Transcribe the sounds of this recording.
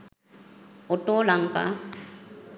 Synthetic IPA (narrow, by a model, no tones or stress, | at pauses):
oʈoːlaŋka̰